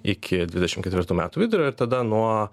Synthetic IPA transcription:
ɪkʲʰɪd̪ʲʋʲɪd̪ʲɛʃʲɪmkʲɛt̪ʲʋʲɪɾt̪uːmʲæ̰ːt̪uːʋʲɪd̪ʊɾʲoːɪɾt̪ɐd̪ɐnuɔ

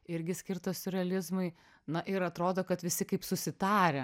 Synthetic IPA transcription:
ɪɾʲɡʲɪsʲkʲɪrt̪ɐsʊɾʲɛɐlʲɪzmʊɪ | nɐʔɪɾɐt̪ɾoːd̪oːkɐt̪ʋʲɪsʲɪkɐɪpsʊsʲɪt̪ɑːɾʲɛ

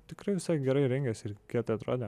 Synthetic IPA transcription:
t̪ʲɪkɾɐɪʋʲɪsɐɪɡʲɛɾɐɪɾʲɛŋʲɡʲɛsʲɪɾkʲiɛt̪ɐɪɐt̪ɾoːd̪ʲe

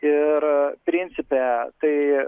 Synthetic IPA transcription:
ɪɾpʲɾʲɪnʲsʲɪpʲeːt̪ɐɪ

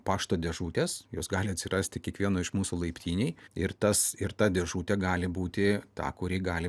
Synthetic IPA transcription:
pɑːʃt̪oːd̪ʲɛʒuːt̪ʲeːsjo̰ːsɡɑːlʲɪɐt̪ʲsʲɪrʔɑːsʲt̪ʲɪkʲiɛkʋʲiɛnoːɪʃmuːsuːlˠɐɪpʲt̪ʲiːnʲɛɪɪrt̪ɐsɪɾt̪ɑd̪ʲɛʒuːt̪ʲɛɡɑːlʲɪbuːt̪ʲɪt̪ɑ̰ːkʊɾʲiːɡɑːlʲɪ

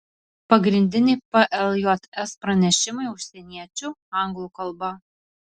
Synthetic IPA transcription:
pɐɡɾʲɪnʲd̪ʲɪnʲepɛʔɛlˠjɔt̪ɛspɾɐnʲɛʃʲɪmɐɪʊʃʲsʲɛnʲiɛt͡ʃʲʊɑŋɡlˠukɐlˠbɐ

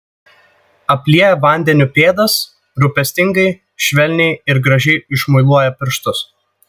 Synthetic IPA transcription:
ɐpʲlʲiɛjɛʋɐˑnʲd̪ʲɛnʲupʲeːd̪ɐs | ɾʊpʲɛsʲt̪ʲɪŋɡɐɪ | ʃʲʋʲɛlʲnʲɛɪɪɾɡɾɐʒʲɛɪɪʃmʊɪlˠuɔjɛpʲɪɾʃt̪ʊs

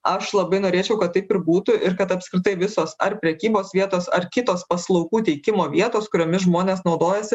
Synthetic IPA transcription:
ɐʃlˠɐbɐɪnoːɾʲeːt͡ʃʲɛʊkɐt̪t̪ːɐɪpɪɾbuːt̪ʊʔɪɾkɐt̪ɐpskʲɾʲɪt̪ɐɪʋʲɪsoːsɐ̰ɾpʲɾʲɛkʲiːboːsʋʲiɛt̪oːsɐɾkʲɪt̪oːspɐslˠɒʊɡuːt̪ʲɛɪkʲɪmoːʋʲiɛt̪oːskʊɾʲoːmʲɪsʒmoːnʲeːsnɒʊd̪oːjɛsʲɪ

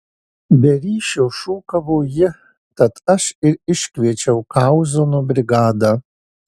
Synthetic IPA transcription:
bʲɛɾʲiːʃʲoːʃuːkɐʋoːjɪ | t̪ɐt̪ɐʃɪɾɪʃʲkʲʋʲiɛt͡ʃʲɛʊkɑʊzoːnubʲɾʲɪɡɑːd̪ɑː

